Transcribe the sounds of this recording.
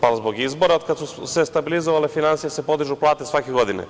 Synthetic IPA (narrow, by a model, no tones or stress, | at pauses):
palzbo̞ɡizbo̞ɾaokad̪susest̪abilizoʋalefinansijesepod̪iʒuplˠaːt̪esʋakeɡo̞d̪inḛ